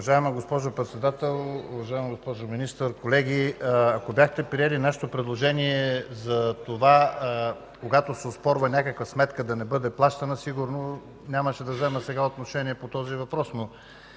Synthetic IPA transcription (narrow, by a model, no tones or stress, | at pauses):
ɐʒaɛməɡospɔʒopɾɛt̪sɛd̪at̪ɛlˠʊ̰vɐʒaɛmɡospɔʒominist̪əɾkolɛɡʲiɐkobʲjaxt̪ɛpɾiɛlinaʃe̥t̪opɾɛd̪lˠoʒɛniɛzɐt̪ova | koɡat̪osɛospɔɾvənʲakəkvəsmɛt̪kəd̪ɐnɛbɤd̪ɛplˠaʃt̪ɐnɐsiɡuɾno | nʲaməʃɛd̪ɐvzɛməsɛɡaot̪noʃɛniɛpot̪ɔzivɐpɾɔsno